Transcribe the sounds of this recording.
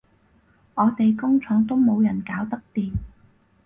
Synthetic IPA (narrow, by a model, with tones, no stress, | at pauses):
ŋɔː˨˧t̪e˨jkʊ˥ŋt͡sʰɔː˨˥ŋt̪o˥wmo˨˧wjɐ˨˩nkaː˨˥wt̪ɐ˥k̚t̪iː˨m